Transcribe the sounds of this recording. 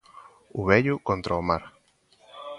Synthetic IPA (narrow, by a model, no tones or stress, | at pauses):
ʊβɛʎʊkont̪ɾaomaɾ